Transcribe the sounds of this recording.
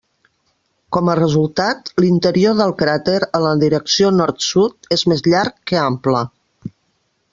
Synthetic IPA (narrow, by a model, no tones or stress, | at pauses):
kɔmərəzulˠt̪at̪lint̪əɾioðəlˠkɾat̪eɾələðiɾəksionɔɾt̪sut̪ezmezʎaɾkːəamplə